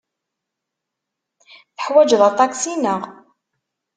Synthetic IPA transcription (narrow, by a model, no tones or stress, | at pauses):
θəħwæd͡ʒðˤɑt̪ˤɑksinəʁ